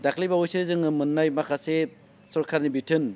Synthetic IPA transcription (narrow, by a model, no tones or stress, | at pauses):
daklijbaujseɾzɯŋɯmɯnːajmakʰase | sɔɾkʰaɾnibitʰɯn